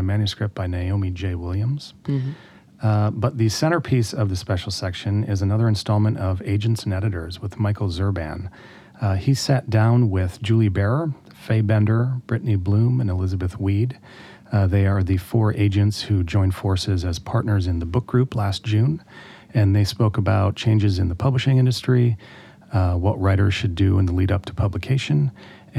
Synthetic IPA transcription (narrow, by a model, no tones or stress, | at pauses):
ɨmæ̃njɨskɹ̥ɨp̚b̥aɪnaɪõʊ̃mid͡ʒeɪwɪlˠjɨ̃mz̥ | bʌt̪̚ðɨsɛ̃ɾ̃ə˞pʰisʌvðɨspɛʃl̩ˠsɛkʃɨ̃nɪzɨnʌðə˞ɨ̃nstɔlˠmɨ̃ñtʌveɪd͡ʒɨ̃n̩tsn̩ɛɾɨɾə˞zwəðmaɪkl̩ˠzɜ˞bæ̰̃n | isæt̚d̥ãʊ̃nwɪð̥d͡ʒʉlˠibɛɹə˞ | feɪbɛ̃ndə˞b̥ɹɪʔniblũmɨ̃nəlɪzəbɨθwid | ðeɪə˞ðɨfɔɹʔeɪd͡ʒɨ̃ntshʉd͡ʒɔ̃ɪ̃nfɔɹsɪzɨz̥pʰɑɹtⁿnə˞zɨ̃nðəbʊk̚ɡ̥ɹʉpʰlæst̚d̥ʒ̥ʉ̃n | ɨ̃nðeɪspoʊkəbaʊt̚t͡ʃʰẽɪ̃nd͡ʒɨzɨ̃nðəpʰʌbləʃɪ̃ŋɪ̃ndɨstɹ̥i | wʌʔ̚ɹaɪɾə˞z̥ʃɨdɨə̃nðəliɾʌp̚tʰə̥pʰʌbləkʰeɪʃɨ̃n